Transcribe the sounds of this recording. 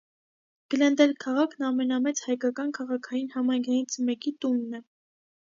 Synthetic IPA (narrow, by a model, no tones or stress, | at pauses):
ɡ̥əlɛnd̪ɛlkʰɑʁɑkʰnɑmɛnɑmɛt͡shɑjkɑkɑnkʰɑʁɑkʰɑjinhɑmɑjŋkʰɑjint͡sʰmɛkit̪unːɛ